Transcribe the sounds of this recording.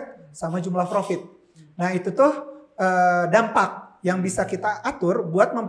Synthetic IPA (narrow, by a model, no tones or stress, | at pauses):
t̪̚samad͡ʒumlahpɾofɪt̪̚ | naɦit̪ut̪ʊhədampak̚jaŋbisakit̪aʔːt̪ʊrbuat̪̚məmp